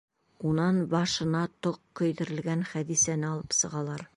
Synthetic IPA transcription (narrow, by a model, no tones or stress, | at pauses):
unɑnbɑʃɤ̆nɑt̪oqːɵ̆jd̪ɘ̆ɾɘ̆lɡænχæd̪isænɘɒlˠɤpsɤ̆ʁɑlˠɑɾ